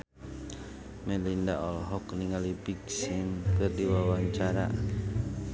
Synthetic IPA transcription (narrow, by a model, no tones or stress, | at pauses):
melindaʔɔlɦɔkniŋalipiksɪmkərdiwawaɲt͡ʃaɾa̰